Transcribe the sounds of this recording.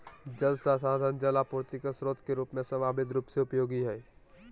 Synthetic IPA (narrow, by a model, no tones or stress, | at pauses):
d͡ʒəlsasaːd̪ʱənd͡ʒəlapʊːɾt̪ɪkəsɾoːt̪keɾuːpmẽsəmaːbɪd̪ɾuːpseʊpjoːɡiɦɛː